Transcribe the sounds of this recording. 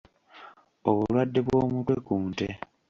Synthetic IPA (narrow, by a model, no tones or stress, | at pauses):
oβulwadːe̞βwo̞ːmutwe̞kuːnte